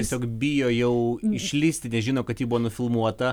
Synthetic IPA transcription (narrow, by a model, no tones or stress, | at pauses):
ɛsʲoːkbʲɪjoːjɛʊɪʃʲlʲisʲt̪ʲɪnʲɛʒʲɪnoːkɐt̪jiːbuʋoːnʊfʲɪlˠmuɔt̪ɐ